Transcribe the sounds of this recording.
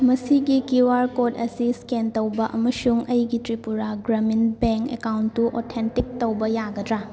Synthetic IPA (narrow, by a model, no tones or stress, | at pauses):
mɐsiɡikiwaɾkodɐsiskentɐwbɐʔɐmɐsuŋɐjɡitɾipuɾaɡɾɐminbeŋkḛkawntːuʔɔtʰentik̚tɐwbɐjaɡɐdɾa